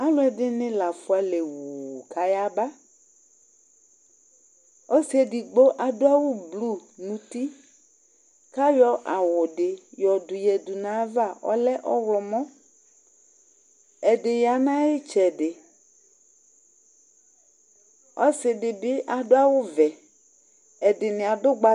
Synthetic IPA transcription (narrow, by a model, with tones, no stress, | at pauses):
a˦lʊ˦ɛ˨dɪ˦nɪ̃˦la˨fʊ˦a˦le˨wu˨ka˨ja˦ba˦ | ɔ˦si˦ɛ˨dɪ˨ɡ͡bo˦ʔa˨dʊ˦a˦wʊ˦blu˦˨nũ˨t̪i˦ | ka˦jɔ˦ʔa˨wʊ˨dɪ˨jɔ˨dʊ˨jɛ˨dʊ˨nã˨˦va˦˨ʔɔ̰˦lɛ˦ʔɔ˦wlɔ˨mɔ̃˦ | ɛ˨dɪ˨ja˨nã˦jɪ˦t͡ʃɛ˨dɪ˨ | ɔ̰˦sɪ˨dɪ˨bɪ˦ʔa˨dʊ˦a˦wʊ˦vɛ˨ | ɛ˨dɪ˨nɪ̃˨a˨dʊ˦ɡ͡ba˦